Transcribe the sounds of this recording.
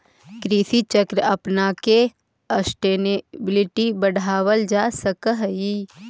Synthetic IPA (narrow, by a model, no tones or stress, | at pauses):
kɾiːsit͡ʃəkɾəɐpnake | əsʈeːnebɪlɪʈibəɽʱaːwəld͡ʒaːsəkəɦi